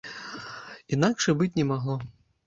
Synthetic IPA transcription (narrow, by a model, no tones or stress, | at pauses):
inakʂɨbɨt͡sʲnʲɛmaɣlˠɔ